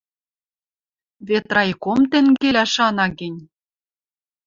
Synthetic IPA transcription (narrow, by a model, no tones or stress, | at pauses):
βet̪rɑjkomt̪ĕŋɡelʲæʃɑnɑɡɘ̆nʲ